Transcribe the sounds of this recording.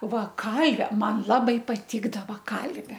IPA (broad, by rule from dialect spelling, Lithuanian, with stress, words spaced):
ˈʋɐ ˈkɐlʲʋʲɛ ˈmɐn ˈlˠɑːbɐɪ pɐˈtʲɪɡdɐʋɐ ˈkɐlʲʋʲɛ